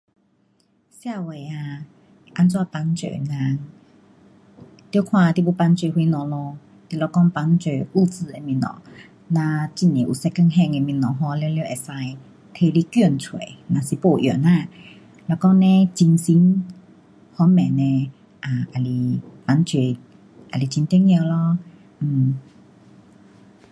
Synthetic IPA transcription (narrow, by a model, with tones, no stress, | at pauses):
sja˥˧˨we˨a˧ | ʔa˧˦nt͡swa˧t̪a˧˦ŋt͡ɕḛ˨nã˧ | t̪jo˧˦kʰw̃ã˧t̪i˧˨bo˧˦pa˧˦nt͡ɕwe˧˩hwi˧nɔ̃˨lɔ˧ | t̪i˧˨lɔ˧˩kɔ˦ŋpa˧˦ŋt͡ɕe˨u˧t͡s̩˧e˧mĩ˧˩nɔ̰̃˨˦ | nã˧t͡ɕi˧˩nĩ˨ʔu˨˩sɛ˧kə˧˨ŋɦɛ̃˧ŋe˧mĩ˧˩nɔ̃˨˩ŋɦɔ˧˦˧lɛ˧˦˧lji˧˦˨ʔe˨˩sa˧j | t̪ʰe˧li˦kju˧nt͡sʰwe˨˦nã˨˩si˨˩po˧˩ʔjo̰˨˩˨nã˧˨ | lɔ˧kɔ˦ŋnẽ˦t͡ɕi˧nsi˧˦n | hɔ˦mɛ̃˨˩nẽ˧ | ʔa˨ʔa˨˩li˧pa˧nt͡swe˨˩ | ʔa˨li˧˩t͡ɕi˧nt̪i˦˥˦ŋjə˧˨lɔ̃˧˦˨